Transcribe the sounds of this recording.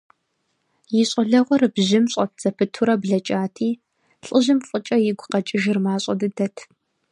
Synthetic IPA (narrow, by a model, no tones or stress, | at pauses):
jɪɕʼɐɮɐʁʷɔrɨbʑɪmɕʼɐp̚ʰz̥ɐpʰɨtʰuɾɐbɮɐt͡ʃʼaːtʰiː | ɬʼəʑɪmfʼət͡ʃʼɐjɪɡʷʊqɐt͡ʃʼɪʒɪrmaːɕʼɐ̰dɨdɐtʰ